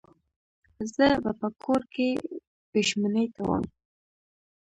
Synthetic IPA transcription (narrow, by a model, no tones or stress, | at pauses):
zəba̰pəkʰoɾke | b̥ʊʃmanəjt̪awə̰m